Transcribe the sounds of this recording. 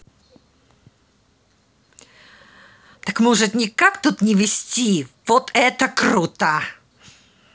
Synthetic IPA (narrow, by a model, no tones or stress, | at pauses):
t̪əkmɔʐɨt̪nʲɪkakt̪ut̪nʲɪvʲɪsʲtʲivot̪ʰɛt̪əkɾut̪ə